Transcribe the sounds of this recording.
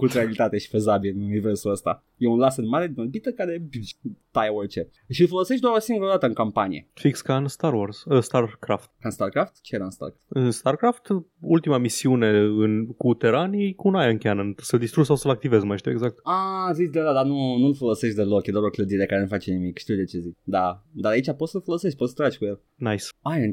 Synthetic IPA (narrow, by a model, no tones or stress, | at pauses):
kut̪ɾealit̪at̪e̞ʃi̥fezabilɨnunive̞rsuəst̪a̰ | je̞unlasɨnmaɾed̪inolbit̪əkaɾe̞t̪ajort͡ʃe | ʃiɨlfo̞lo̞se̞ʃt̪̬d̪aɾosiŋɡuɾad̪at̪əɨŋkampanie̞fikskanst̪aɾworsəst̪arkɾaft̪kanst̪arkɾaft̪t͡ʃejeɾaɨnst̪a̰rkaɨnst̪arkɾaft̪ult̪imamisiune̞ɨnkut̪eɾanikunajɨŋkʲeanənsəld̪ist̪ɾud͡ʒsawsəlak̚t̪ivezmajʃt̪iweɡzak̚t̪azit͡ʃʲd̪ad̪ad̪anunulfo̞lo̞se̞ʃt̪̚ʲd̪elo̞kjed̪oaɾokləd̪iɾekaɾenufat͡ʃenimikʃt̪iwd̪et͡ʃe̞zit͡ʃd̪ad̪aɾait͡ʃapot̪səlfolo̞seʃt̪̚ʲpot̪sə̥t̪ɾad͡ʒʲkujel | najsajn